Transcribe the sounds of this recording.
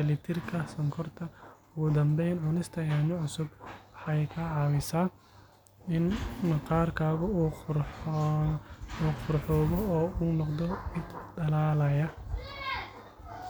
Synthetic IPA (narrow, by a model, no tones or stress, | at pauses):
ɛlɪt̪ʰɪrkʰɐsɔŋkʰɔrt̪ʰɐʊɣʊd̪ɐmbɛjnʕʊnɪst̪ʰɐjaːɲɔʕʊsʊbwħɑjkʰɐʕɑːwɪsaː | ɪnqɑːrkʰaːɣɔ | uːqʊrħɔːɣɔɔːuːnɔqd̪ɔmɪd̪dɐlaːlɐjɐ